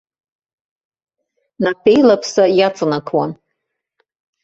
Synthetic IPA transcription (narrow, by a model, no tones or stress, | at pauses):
napʰe̞jlapʰsajat͡sʼɨnakʰwan